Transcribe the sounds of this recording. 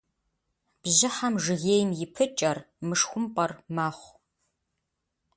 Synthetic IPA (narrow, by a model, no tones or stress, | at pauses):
b̥ʑɪħamʐɨɣeːjmjɪpʰɨt͡ʃʼɐr | mɨʂxʷʊmpʼɐrmaːχʷ